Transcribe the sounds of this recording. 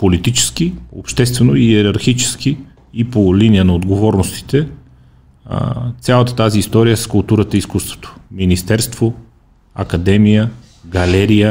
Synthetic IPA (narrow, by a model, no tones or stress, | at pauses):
polit̪it͡ʃɛ̥sk̟io̰pʃt̪ɛst̪vɛnoiɛɾɐɾxit͡ʃɛ̥sk̟i | ipolinijənɐod̪ɡovɔɾnost̪i̥t̪ɛ | t̪sʲjalˠət̪ə̥t̪aziːst̪ɔɾijəsə̥skʊlˠt̪uɾət̪əiskust̪v̥o̥t̪o̥minist̪ɛɾst̪vo | ɐ̰kɐd̪ɛmijə | ɡɐlɛɾijə